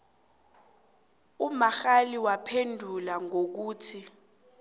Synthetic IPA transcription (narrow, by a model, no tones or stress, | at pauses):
umaxaliwapʰendʱulaŋok̬uːtʰi